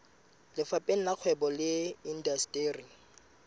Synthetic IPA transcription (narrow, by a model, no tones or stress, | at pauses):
lɪfapʼeŋ̩laq͡χʰwɛbɔlɪin̩dastʼeri